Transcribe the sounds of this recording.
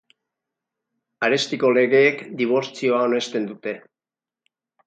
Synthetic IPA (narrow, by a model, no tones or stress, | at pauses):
aɾe̞st̪iko̞le̞ɣ̞e̞ːkd̪iβ̞o̞ɾt͡sio̞ao̞ne̞st̪e̞nd̪ut̪e̞